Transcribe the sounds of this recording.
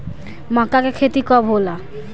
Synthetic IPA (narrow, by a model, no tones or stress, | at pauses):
mãkakekʰet̪ikɔbɦola